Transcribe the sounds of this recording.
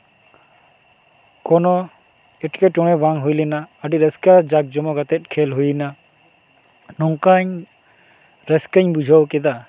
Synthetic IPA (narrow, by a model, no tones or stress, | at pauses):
kɔnɔ | ɛʈkɛʈɔɽ̃ɛbaŋɦujlɛnaːɖiɾɛskad͡ʒak̚d͡ʒɔmɔɡat̪ɛt̪̚kʰɛlɦujna | nɔŋkaɲ | ɾɛskaɲbud͡ʒʱɔwkɛd̪a